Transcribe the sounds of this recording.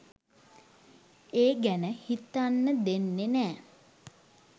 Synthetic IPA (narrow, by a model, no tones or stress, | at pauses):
eːɡænəhit̪ːanːəd̪enːenæː